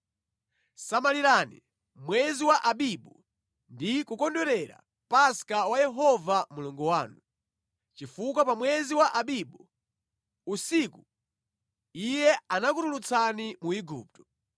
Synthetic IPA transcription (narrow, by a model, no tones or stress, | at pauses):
samaliɾaːnḭ | mwɛziwaʔaɓiɓu | ndikukɔndɔɾɛɾa̰ | paskawajɛɦɔvamuluŋɡuwaːnu | t͡ʃifukwapamwɛziwaʔaɓiɓu | usiku | ijɛanakutulut͡sʰanimuiɡṵːp̚tɔ